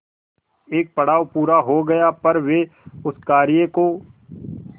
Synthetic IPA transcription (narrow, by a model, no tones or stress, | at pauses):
eːk̚pɐɽ̤aːʋpuːɾaɦoɡɐjapɐɾʋeʊskaːɾjekoː